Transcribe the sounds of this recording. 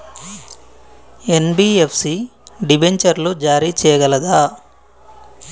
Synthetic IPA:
enbiːepʰsiɖibeɲt͡ʃɐɾlud͡ʒaːɾiːt͡ʃɛːjɐɡɐlɐd̪aː

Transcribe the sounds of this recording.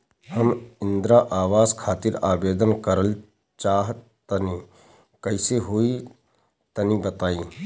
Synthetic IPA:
hɐmɪ̃nd̪ɾaʔaːʋaːzkʰaːt̪ɪɾaːbeːd̪ənkəɾəl | t͡ʃaːɦ | t̪ɐni | kɐɪseɦoi | t̪ɐnĩbɐt̪aːĩː

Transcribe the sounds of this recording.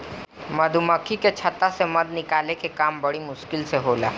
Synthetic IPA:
mɐd̪ʱuməkʰiket͡ʃʰɐt̪ːasemɐd̪nɪkaːlekekaːmbɐɽimʊʃkɪlseɦoːla̰ː

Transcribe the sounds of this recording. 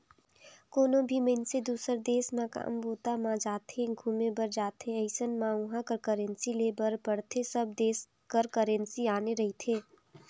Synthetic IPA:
koːnõbʱiməɪnsed̪uːsəɾd̪eːsmãka̰ːmboːt̪amãd͡ʒaːt̪ɦẽɡʱuːmẽbəɾd͡ʒaːt̪ɦẽəɪsənmãʊ̃ɦãkəɾkəɾẽnsileːbəɾpəɽt̪ʰesəb̚d̪eːs | kəɾkəɾẽnsiaːneɾɐɦit̪ʰeː

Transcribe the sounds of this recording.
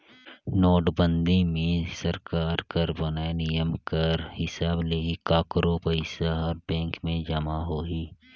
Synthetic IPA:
noːɖbə̃nd̪ʱimẽsɐɾkaːɾkəɾbɐnaenɪjəmkɐɾhɪsaːbleːikaːkɾopɐɪsaɔːɾbɛ̃ːŋkmẽd͡ʒɐmaɦoːiː

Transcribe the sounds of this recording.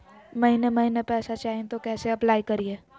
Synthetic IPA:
mɐɦinemɐɦinepɛːsat͡ʃaːɦẽt̪okɛːseɐplaːikɐɾieː

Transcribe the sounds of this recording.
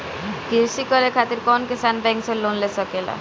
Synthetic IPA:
kiɾʃikɔɾekʰat̪iɾkɔnkisanbɛŋksellonlesɔkela̰

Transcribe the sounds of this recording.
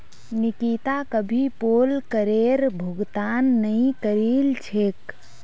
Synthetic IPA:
nikit̪akəbʱipolkəɾeɾbʱuɡt̪anːəĩkəɾilt͡ʃʰek

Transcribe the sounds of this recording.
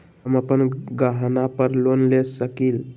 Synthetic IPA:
ɦəməpənɡəɦnapəɾlonlesəkil

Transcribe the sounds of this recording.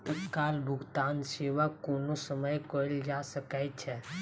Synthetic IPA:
t̪ət̪kalbʱʊɡt̪anseʋakoːnosəməjkəld͡ʒasəkajt͡ʃʰɛ

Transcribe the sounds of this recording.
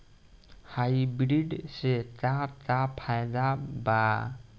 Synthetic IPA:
hajbɾiɖsɛtatapʰajd̪aba

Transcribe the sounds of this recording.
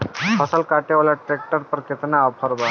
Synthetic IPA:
pʰəsəlkaʈeʋljaʈɾek̚ʈəɾpəɾket̪naːpʰəɾba

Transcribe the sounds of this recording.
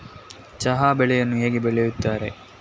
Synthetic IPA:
t͡ʃɐɦaːbɛɭɛjɐnːuɦeːɡebɛɭɛjut̪ːaːɾḛ

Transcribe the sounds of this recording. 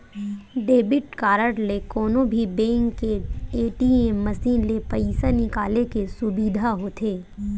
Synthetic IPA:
ɖeːbɪʈkaːɾəʈlekɔːnõbʱibẽːŋkːeeːʈiẽmɐsiːnlepɐɪsanɪkaːlekesʊbiːd̪ʱaɦoːt̪ʰeː

